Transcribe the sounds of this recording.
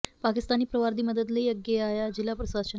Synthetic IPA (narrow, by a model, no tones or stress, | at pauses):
pakist̪aniːpɾəʋaɾd̪iːməd̪əd̪lejəɡjeajad͡ʑilːapɾəsasə